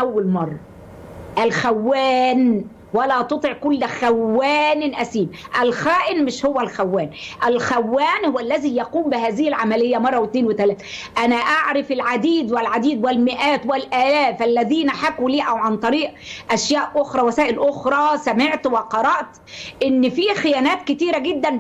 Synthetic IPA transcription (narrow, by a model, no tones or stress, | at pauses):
ʔæwːælmɑrˤːɑ | ʔælxæwːæːn | wælæːt̪ˤot̪ˤeʕkʊlːxæwːæːnɪnʔæsiːbʔælxæːʔɪnmɪʃhʊwːælxæwːæːnʔælxæwːæːnhʊwːælːæziːjɑquːmbɪhæːzɪhɪlʕamælɪjːæmɑrˤːɑwɪt̪neːnwɪt̪ælæːθʔænæʔaʕɾɑfɪlʕad̪iːd̪wɪlʕad̪iːd̪wɪlmɪʔæːt̪wɪlʔæːlæːfʔælːæðiːnæħakwuliːʔæwʕant̪ˤɑɾiːʔʔæʃjæːʔʔoxɾˤɑːwæsæːʔɪlʔoxɾˤɑːsæmeʕt̪wɪqɑɾˤɑʔt̪ | ʔɪnːfiːxɪjæːnæːt̪kɪt̪iːɾæɡɪd̪ːæn